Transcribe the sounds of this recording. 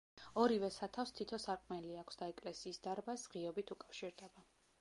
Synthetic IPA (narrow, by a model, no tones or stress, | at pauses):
ɔɾivɛsat̪ʰafst̪ʰit̪ʰɔsaɾqʼmɛliakʷʰsd̪aɛkʼlɛsiːsd̪aɾbasʁiɔbit̪ʰukʼafʃiɾd̪ɛba